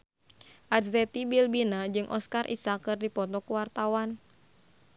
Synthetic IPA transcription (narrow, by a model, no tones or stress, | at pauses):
ʔadzɛt̪ibilbinad͡ʒɨŋʔɔ̰skarʔḭsakɨrdipɔt̪ɔkuwart̪awan